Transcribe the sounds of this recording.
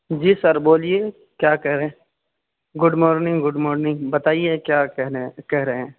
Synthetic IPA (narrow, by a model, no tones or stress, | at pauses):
d͡ʒiːsɐɾboːlie | kjaːkɛɦɾɐɦẽ | ɡʊɖmɔːɾnɪ̃ŋɡɡʊɖmɔːɾnɪ̃ŋɡbɐt̪aːiekjaːɛɦkɛɦɾɐɦeɛ̃ː